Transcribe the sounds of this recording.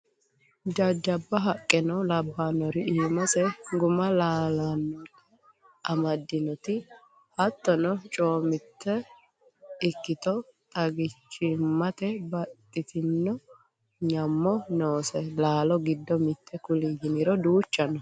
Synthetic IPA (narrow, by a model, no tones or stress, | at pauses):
d͡ʒɐd͡ʒːɐbːɐɦɐkʼːɛnɔlɐbːaːnɔɾɪiːmɐsɛɡʊmɐlaːlanːɔɾ | ɐmɐd̪ːɪnɔt̪ɪ | hɐt̪ːɔnɔt͡ʃʼo̞ːmɪt̪ːɛ | ɪkːɪt̪ɔt̪ʼɐɡɪt͡ʃːɪmːɐt̪ɛbɐtt̪ʼːɪt̪ɪnːɔ | ɲɐmːɔnoːsɛlaːlɔɡɪd̪ːɔmɪt̪ʰːɛkʊliːɡɪnɪɾɔd̪uːt͡ʃːɐnɔ